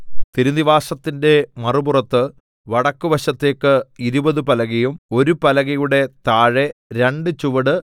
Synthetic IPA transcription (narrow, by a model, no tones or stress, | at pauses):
t̪iɾuniʋaːʂɐt̪ːinde̞mɐruburɐt̪ːɨ | ʋɐɽɐkːuʋɐɕɐt̪ːe̞ːkːɨiɾubɐðɨpɐlɐɣɐjumo̞ɾupɐlɐɣɐjuɽe̞t̪aːɻe̞ɾe̞ɳɖɨt͡ɕuʋɐɽɨ